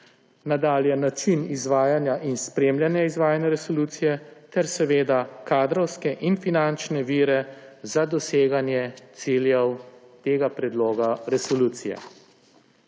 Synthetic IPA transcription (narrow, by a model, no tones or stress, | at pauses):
nad̪aːljɛnat͡ʃinizʋaːjanjaʔinspɾemljanjaizʋaːjanjaɾɛsɔluːt̪sijɛt̪ɛɾsɛʋeːd̪akaːd̪ɾɔwskɛʔinfinant͡ʃnɛʋiːɾɛzad̪ɔseːɡanjɛt̪siljɛwt̪eːɡapɾɛd̪loːɡaɾɛsɔluːt̪sijɛ̰